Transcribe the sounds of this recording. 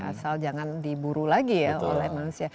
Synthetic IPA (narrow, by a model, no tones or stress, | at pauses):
a̰sald͡ʒaŋandibuɾulaɡijao̰lɛhmanusia